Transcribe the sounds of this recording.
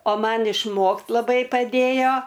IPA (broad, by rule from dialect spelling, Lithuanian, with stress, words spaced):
oː ˈmɐn ɪʃˈmoːkt lˠɐˈbɐɪ pɐˈdʲeːjoː